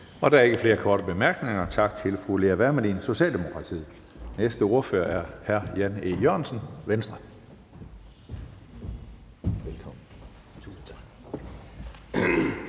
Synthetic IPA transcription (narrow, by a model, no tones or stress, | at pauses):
ɒ̽dɑ̈æɐe̝ɡ̥əfle̝ːɐkʰɒːɾəb̥e̝mæɐɡ̥ne̝ŋɐt͡sʰɑ̈ɡ̥̚t͡sʰe̝lfʁuleɐʋæɐmænḭnso̝ɕɛ̰ːld̥e̝mo̝kʰʁɑ̈t͡sʰḭː | nesd̥əo̝ɐfø̰ːɐæɐhæɐjænejøɐ̰nsənʋensd̥ʁɐ | ʋelkʰɒ̽mn̩ | t͡sʰun̩t͡sʰɑ̥